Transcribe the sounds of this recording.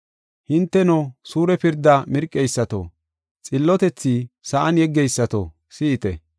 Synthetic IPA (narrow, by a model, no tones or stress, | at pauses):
hɪnt̪ːɛnosuːɾɛpɪɾd̪ːɐmɪɾkʼːɛjsːɐt̪o̰ | t͡sʼɪlːɔt̪ɛt͡sːisɐʔɐnjɛɡːɛjsːɐt̪o̰ | sɪʔɪt̪ɛ̰